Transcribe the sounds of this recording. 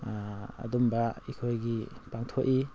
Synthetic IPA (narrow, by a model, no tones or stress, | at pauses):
a̰dumbaikʰojɡipaŋtʰoʔi